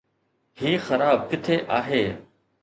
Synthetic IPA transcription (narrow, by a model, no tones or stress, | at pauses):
hiːxɐɾaːb̚kɪt̪ʰeʔaːɦeː